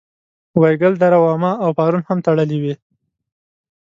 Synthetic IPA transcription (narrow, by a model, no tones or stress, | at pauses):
wajɡəld̪aɾawɑmɑawpɑɾunhamt̪aɽəliwi